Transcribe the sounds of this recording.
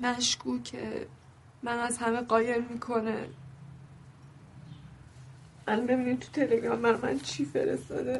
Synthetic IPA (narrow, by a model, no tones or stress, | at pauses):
mæʃkʰuːcʰḛ | mænæzhæmeɢɒːje̞ɾmiːkʰo̞nḛ | ʔælbe̞biːnimt̪ʰu̥t̪ʰe̞le̞ɡɾɒmbæɾmæ̰nt͡ʃʰife̞̰ɾḛst̪ɒ̰ːd̪e